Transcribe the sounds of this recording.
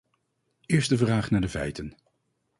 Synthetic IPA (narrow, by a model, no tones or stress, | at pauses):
ɪːɹstəvraːχnaːɹdəvɛ̰jtən